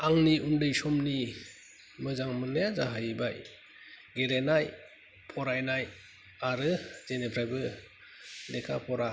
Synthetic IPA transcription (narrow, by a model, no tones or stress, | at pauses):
aŋniumdɯjsɔmni | mɯzaŋmɯnɯjazaɦajbaj | ɡeɾenaj | pʰɔɾajnaj | aɾɯzenepʰɾajbɯ | lekʰa̰pʰɔɾa